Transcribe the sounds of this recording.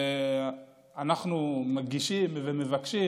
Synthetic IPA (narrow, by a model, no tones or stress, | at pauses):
e | anaχnumaɡiʃimveme̞vakʃi